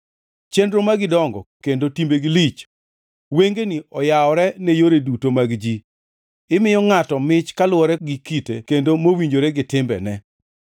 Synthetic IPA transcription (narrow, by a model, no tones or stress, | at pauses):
t͡ʃendɾomaɡɪdɔŋɡɔ̰kendotimbeɡɪlit͡ʃ | weŋɡeniɔjaɔɾɛnejoɾedutomaɡd͡ʒi | ɪmɪjɔŋatɔmɪt͡ʃkalʊwɔɾɛɡɪkitḛkendomowiɲd͡ʒoɾɛɡɪtɪmbɛ̰nɛ